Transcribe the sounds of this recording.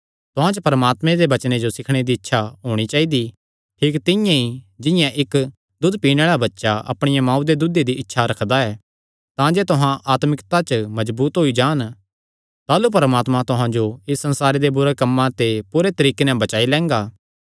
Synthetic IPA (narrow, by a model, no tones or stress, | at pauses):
t̪ʊɦãt͡ʃəpɐɾɐmaːt̪mẽd̪ebɐt͡ʃned͡ʒosɪkʰɽ̃ed̪iɪtːʃʰaɦoːɽ̃it͡ʃaːid̪i | ʈʰɪːkt̪ɪjãid͡ʒɪ̃jãʔɪk | d̪ʊd̪piːɽ̃eːɭabɐtːʃaʔɐ̰pɽ̃ɪjãmãːũd̪ed̪ʊd̪ed̪iʔɪtːʃʰaɾɐkʰd̪aɛː | t̪ãd͡ʒeːt̪ʊɦãʔaːt̪mɪkt̪at͡ʃmɐzbuːt̪ɦoid͡ʒaːn | t̪aːlupɐɾəmaːt̪mãt̪ʊɦãd͡ʒoɪsːɐ̃nsaːɾed̪ebʊɾekɐmːãt̪epuɾet̪ɐɾiːkenɛ̃bɐt͡ʃaːilɛ̃ːŋɡaː